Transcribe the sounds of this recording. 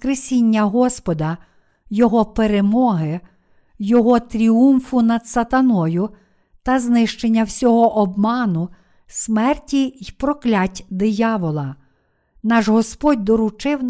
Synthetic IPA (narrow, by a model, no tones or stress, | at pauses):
kɾesʲinʲːɐɦɔspɔd̪ɐ | jɔɦɔpeɾemɔɦɪ | jɔɦɔt̪ɾʲiumfʊnɐd̪sɐt̪ɐnɔjʊ | t̪ɐznɪʃt͡ʃenʲːɐwsʲɔɦɔʔɔbmɑnʊ | smɛrtʲijpɾɔklʲatʲd̪ɪjɑʋɔlˠɐ | nɑʒɦɔspɔtʲd̪ɔɾʊt͡ʃɪw